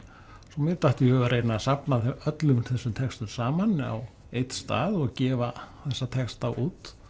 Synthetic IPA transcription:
sɔmɪðt̪aht̪ɪhœvʏɾeːjt̪nasapnaœt̪lʏmθɛsːʏmt̪ʰɛkst̪ʏmsaːmana̰w | ejt̪st̪a̰ːðɔɣcɛːvaθɛsːat̪ʰɛkst̪awʔuːt̪

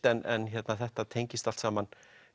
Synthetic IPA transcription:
ɛnɛnçɛt̪naθɛht̪at̪ʰejɲcɪst̪al̥t̪saman

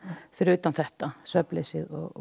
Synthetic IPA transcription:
fɪɾɪɾʏːt̪anθɛht̪asvœplesɪðɔ̰ɣ

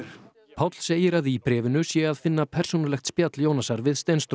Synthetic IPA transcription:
pʰawt̪l̥seːjɪɾaðipɾɛːvɪnʏsjɛaðfɪnːapʰɛr̥sownʏɾlɛxt̪spjat̪ljoːwnasaɾvɪðst̪ejnst̪

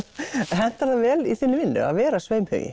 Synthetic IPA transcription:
ɦɛn̥t̪aɾθavɛːliθiːnːɪvɪnːd̪ʏ̰a̰ðvɛːɾasveːjmhʏ̰ːjɪ̰

